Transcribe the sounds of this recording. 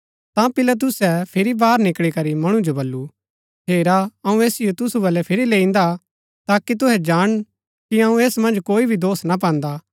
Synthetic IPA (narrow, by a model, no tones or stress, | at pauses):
t̪ãpɪlɐt̪̬ʊsɛpʰɪɾibaːɾnɪkɽikɐɾimɐɽ̃ũd͡ʒobɐlːu | ɦeːɾaɐũeːsɪjot̪ʊsubɐlɛpʰɪɾilẽːĩnd̪a | t̪aːkit̪̬ʊɦɛd͡ʒaːɽ̃ | kiɐũeːsmɐ̃nd͡ʒkoːibʱid̪oːsnap̬ɛ̃ːnd̪aː